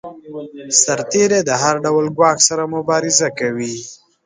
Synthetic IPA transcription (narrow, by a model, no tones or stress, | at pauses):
saɾt̪eɾed̪əɦaɾɖawlɡwɑxsaɾamʊbɑɾɪzakawi